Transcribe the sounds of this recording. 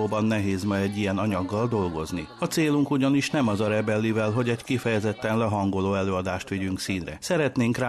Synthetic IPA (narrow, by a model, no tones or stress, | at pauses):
oːbɒnːɛɦeːzmɒjɛɟːijɛnɒɲɒɡːɒld̪o̞lɡo̞̰zniɒt̪seːluŋkuɟɒniʃnɛmɒzɒɾɛbɛlːivɛlɦo̞ɟɛckifɛjɛzɛt̪ːɛnlɛɦɒŋɡo̞loːɛløːɒd̪aːʃt̪ʋiɟyŋksiːnrɛ̰sɛɾɛt̪neːŋkraː